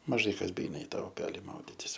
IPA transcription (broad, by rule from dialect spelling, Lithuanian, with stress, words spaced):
mɐˈʒɐɪ ˈkɐs bʲɛˈɛɪnɐ ɪ ˈtɑː ʊˈpʲæːlʲɪ ˈmɐʊdʲɪtʲɪs